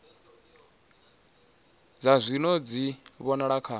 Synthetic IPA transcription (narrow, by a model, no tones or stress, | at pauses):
d͡zazʷinɔd͡ziβɔnaɺakʰa